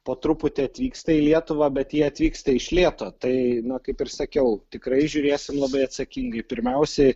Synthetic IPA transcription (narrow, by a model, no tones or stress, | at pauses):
poːt̪ɾʊpʊt̪ʲeːɐt̪ʲʋʲiːkst̪ɐilʲiɛt̪ʊʋɑbʲɛt̪jiɛɐt̪ʲʋʲiːkst̪ɐɪʃʲlʲiɛt̪oːt̪ɐɪnɐkɐɪpɪrsɐkʲɛʊt̪ʲɪkɾɐɪʒʲʊɾʲeːsʲɪmlˠɐbɐɪɐt̪sɐkʲiŋɡɐɪpʲɪɾʲmʲɛʊsʲɛ